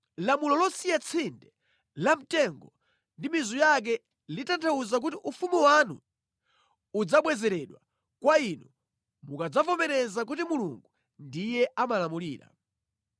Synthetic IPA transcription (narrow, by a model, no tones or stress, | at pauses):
lamulɔlɔsijat͡sʰindɛ | lam̩tɛŋɡɔ | ndimizujak̬ɛ | litantʰauzak̬utiʔufumiwanṵ | ud͡zaɓwɛzɛɾɛɗwa | kwainu | mukad͡zavɔmɛɾɛzak̬utimulṵŋɡu | ndijɛamalamuliːɾa̰